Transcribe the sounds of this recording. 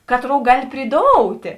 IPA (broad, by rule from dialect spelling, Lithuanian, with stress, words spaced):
ˈkɑːtˌroːʊ ˈɡɑːlʲɪ pʲrʲɪˈdoːʊtʲeː